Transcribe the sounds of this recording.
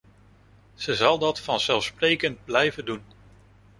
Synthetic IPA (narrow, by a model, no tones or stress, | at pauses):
z̥əzɑlˠdɑtfɑnzɛlˠfsprejkənd̚blɛjvəndun